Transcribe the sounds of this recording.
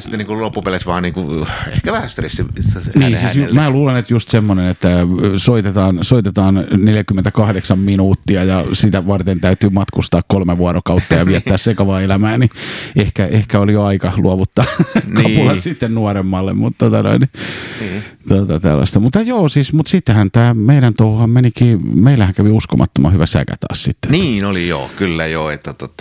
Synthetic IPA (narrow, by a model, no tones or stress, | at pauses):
si̥t̪ːeniːŋkullopːupelesʋɑ̰ːniːŋkuḛhkæʋæhæst̪rist̪iniːnsiːsjmmæːluːlenet̪just̪semːonenet̪ːæsoit̪et̪ɑːnsoit̪et̪ɑːnneljækymːent̪ækɑhdeksɑmminuːt̪ːiɑjɑsit̪æʋɑrt̪ent̪æyt̪ymɑt̪kust̪ɑːkkolmeʋuɑɾokɑut̪ːɑjɑʋiæt̪ːæːssekɑʋɑːelæmæːniehkæʔehkæolijoɑikɑluɑʋut̪ːɑnkɑpulɑt̪sit̪ːennuɑremːɑlːḛmmut̪t̪ot̪ɑno̰ini | t̪uot̪ɑt̪æ̰lːɑ̰st̪ɑmut̪ːɑjoːsiːsmut̪sit̪ːehænt̪æːmeiɾænt̪ouhɑmmenikiːmeilæhæŋkæʋiuskomʔɑ̰t̪ːomɑ̰hyʋæsæ̰kæ̰t̪ɑ̰ːssit̪ːe̥niːnolijo̰ːkylːæjoet̪ːæt̪ot̪ːɑ